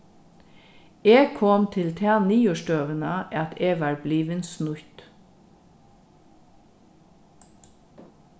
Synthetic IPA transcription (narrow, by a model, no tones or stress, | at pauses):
eːɡkʰɔmt̪ʰɪlt̪ʰæːniːʉʃdøːʋənɑːʔɑt̪eːɡʋɑːɹbliːʋənsnʉt̪